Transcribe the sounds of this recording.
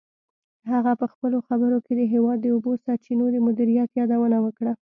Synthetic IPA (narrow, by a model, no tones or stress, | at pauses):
haɣapəxpəloxabəɾoked̪əɦewɑd̪ːəobosaɾt͡ʃinod̪əmʊd̪iɾijat̪jɑd̪awənawəkɽa